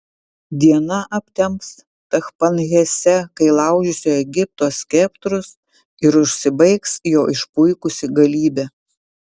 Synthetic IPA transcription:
d̪ʲiɛnɐʔɐpʲt̪ʲɛmps | t̪ɐxpɐnɣʲɛsʲɛkɐɪlˠɑˑʊd͡ʒʲʊsʲoːɛɡʲɪp̚t̪oːsʲkʲɛpt̪ɾʊs | ɪɾʊʃʲsʲɪbɐɪksjoːʔɪʃpʊɪkʊsʲɪɡɐlʲiːbʲæː

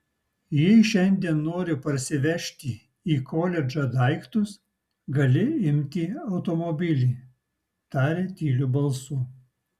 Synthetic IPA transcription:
jɛɪʃʲɛnʲd̪ʲiɛnːoːɾʲɪpɐɾʲsʲɪʋʲɛʃʲt̪ʲi | iːkʰoːlʲɛd͡ʒɐd̪ɐɪkt̪ʊs | ɡɐlʲɪɪmʲt̪ʲiːɐʊt̪omɔbʲɪlʲiː | t̪ɑːɾʲeːt̪ʲiːlʲubɐlˠsʊ

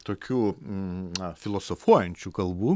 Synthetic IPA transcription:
t̪oːkʲuː | ɐfʲɪlˠoːsofuɔjɛnʲt͡ʃʲuːkɐlˠbuː

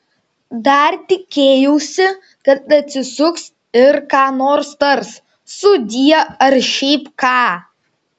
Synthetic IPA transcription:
d̪ɐɾt̪ʲɪkʲeːjɛʊsʲɪ | kɐt̪ɐt̪ʲsʲɪsʊks | ɪɾkɑːnoːɾst̪ɐɾs | sʊd̪ʲiɛɐɾʃʲɛɪpkɑː

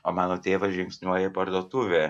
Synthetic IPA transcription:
oːmɑːnoːt̪ʲeːʋɐʒʲɪŋʲksʲnʲuɔjɛpɐɾd̪uɔt̪ʊʋʲeː

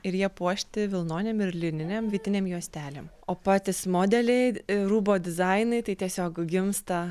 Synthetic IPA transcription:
ɪɾjiɛpuɔʃʲt̪ʲɪʋʲɪlˠnoːnʲeːmɪɾlʲɪnʲɪnʲɛmʋʲiɛt̪ʲɪnʲeːmjuɔsʲt̪ʲæːlʲem | oːpɑːt̪ʲɪsmoːd̪ʲɛlʲɛɪɾuːboːd̪ʲɪzɐɪnɐɪt̪ɐɪt̪ʲiɛsʲoːkɡʲɪmst̪ɐ

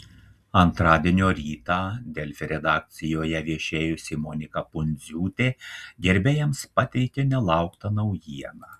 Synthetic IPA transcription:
ɐnt̪ɾɑːd̪ʲiɛnʲoːɾʲiːt̪ɑːd̪ʲɛlʲfʲɾʲɛd̪ɑːk̚t̪sʲɪjoːjɛʋʲiɛʃʲeːjʊsʲɪmɔnʲɪkɐpʊnʲzʲuːt̪ʲeːɡʲɛɾʲbʲeːjɛmspɑt̪ʲɛɪkʲenʲɛlˠɑˑʊkt̪ɐnɐʊjiɛnɑː

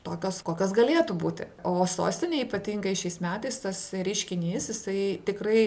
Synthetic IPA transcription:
t̪oːkʲoːskoːkʲoːsɡɐlʲeːt̪ubuːt̪ʲɪ̰oːso̰ːsʲt̪ʲɪnʲeːiːpɐt̪ʲiːŋɡɐɪʃʲɛɪsmʲæːt̪ɐɪst̪ɐsɾʲɪʃʲkʲɪnʲiːsjɪsɐɪt̪ʲɪkrɐɪ

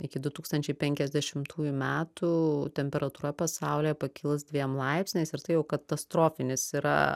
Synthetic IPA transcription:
ɪkʲɪd̪ʊt̪uːkst̪ɐnʲt͡ʃʲɛɪpʲɛŋʲkʲɛzʲd̪ʲɛʃʲɪmt̪ʰuːjumʲæːt̪ut̪ʲɛmʲpʲɛɾɐt̪uːɾɐpɐsɑʊlʲeːjɛpɐkʲɪlˠsd̪ʲʋʲiɛmlˠɐɪpsʲnʲeːsɪɾt̪ɐɪjɛʊkɐt̪ɐst̪ɾoːfʲɪnʲɪsiɾɐ̰

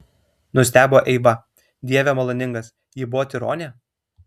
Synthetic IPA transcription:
nʊsʲt̪ʲæːboːʔɛɪʋɐ | d̪ʲiɛʋʲɛmɐlˠoːnʲɪŋɡɐs | jiːbʊʋoːt̪ʲɪɾoːnʲe

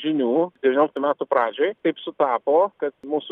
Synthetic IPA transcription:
ʒʲɪnʲuːd̪ʲɛʋʲːnʲoːlʲkt̪ʊmʲæːt̪ʊpɾɑːd͡ʒʲoːjt̪ɐɪpsʊt̪ɑːpoːkɐt̪muːsʊ

